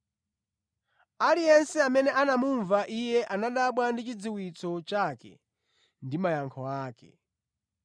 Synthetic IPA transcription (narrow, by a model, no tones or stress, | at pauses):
alijɛnsɛamɛnɛʔanamuɱvaʔijɛʔanaɗaɓwandit͡ʃid͡ziwit͡sɔt͡ʃakɛ̰ | ndimajaŋkʰɔaːkɛ̰